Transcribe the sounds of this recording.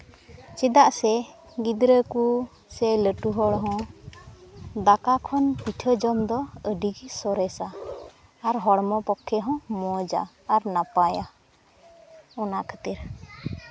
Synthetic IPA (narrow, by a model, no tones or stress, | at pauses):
t͡ʃɛd̪aʔsɛ | ɡid̪ɾəku | sɛləʈuɦɔɽɦɔ̃ | d̪akakʰɔnpiʈʰəd͡ʒɔmd̪ɔəɖiɡsɔɾɛsaː | ɾɦɔɽmɔpɔkʰːɛɦɔ̃mɔd͡ʒa̰ː | ɾnapaja | ɔnaʔkʰət̪iɾ